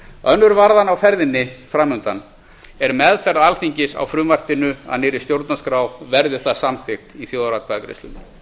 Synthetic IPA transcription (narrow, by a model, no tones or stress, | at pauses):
œnːʏɾvaɾðanawfɛɾðɪnːɪfɾaːmʏnt̪an | ɛɾmɛðfɛɾðalθiɲcɪsa̰wfɾʏːmvar̥t̪ɪnʏa̰ðnɪːɾɪst̪jowɾt̪naskɾawvɛɾðʏθaðsamθɪxt̪iθjoːwðɾat̪kʰaːkɾḛst̪ʏ̰nʏ